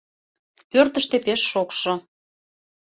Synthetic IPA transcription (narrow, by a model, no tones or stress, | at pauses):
pørt̪ə̆ʃt̪epeʃːokʃŏ